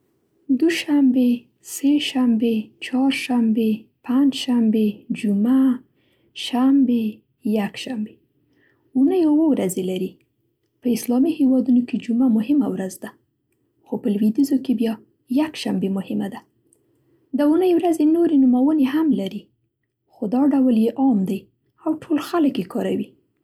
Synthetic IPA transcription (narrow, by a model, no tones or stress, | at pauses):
d̪uʃambe | seʃambet͡ʃɑɾʃambepaɲd͡ʒʃambed͡ʒuma | ʃambe | jakʃambe | unəjowəwɾazelaɾi | pəɪslɑmihewɑd̪unoked͡ʒumamʊhɪmawɾazd̪a | xopəlwid̪izokebjɑ | jakʃambemʊhɪmad̪a | d̪əunəjwɾazenoɾenumawəneɦamlaɾi | xod̪ɑɖawljeʔɑmd̪aj | awʈʰolxaləkjekɑɾawi